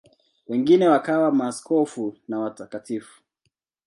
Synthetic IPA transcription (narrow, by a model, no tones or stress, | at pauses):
wɛŋɡinɛwakawamaːskɔfunawatakatifu̥